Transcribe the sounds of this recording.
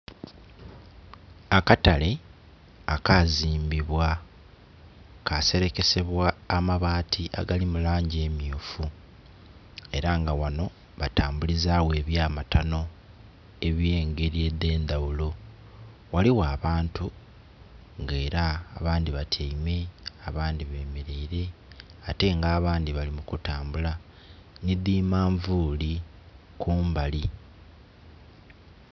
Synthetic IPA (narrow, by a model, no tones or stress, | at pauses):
akatale̞ | akaziːmbiβwa | kase̞ɾe̞ke̞se̞βwaːmaβaːtʰiʔa̰ɡalimulaːɲɟeːmjuːfu | e̞ɾaŋɡawano̞ | βataːmbulizaːwe̞ːβjaːmatano̞ | e̞βje̞ːŋɡe̞ɾie̞d̪e̞ːnd̪awulo̞ | waliwaːβaːntu | ŋɡe̞ːɾaːβaːnd̪iβatʰeime̞aβaːnd̪iβe̞ːmeɾe̞iɾe̞ate̞ŋɡaːβaːnd̪iβalimukutaːmbula | nidiːmaːɱvuːli | kuːmbali